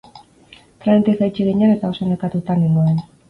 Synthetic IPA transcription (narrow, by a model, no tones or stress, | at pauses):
t̪ɾant̪esajt͡ʃiɣeɲanet̪ao̞senekat̪ut̪anend̪uen